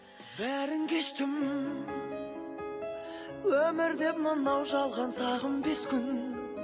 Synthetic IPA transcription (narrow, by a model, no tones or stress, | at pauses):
bæɾɪŋkʲʰe̞ʃt̪ɪm | wɵmɪɾd̪e̞p̚mənɑwʒɑlˠʁɑnsɑʁəmbe̞skʲʰʏn